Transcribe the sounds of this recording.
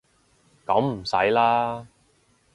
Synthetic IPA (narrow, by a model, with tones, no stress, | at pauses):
kɐ˨˥mm̩˨˩sɐ̰˨˥jlaː˥